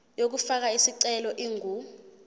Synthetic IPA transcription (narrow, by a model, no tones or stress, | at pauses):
jok̬ufak̬aisiǀɛlɔʔiːŋu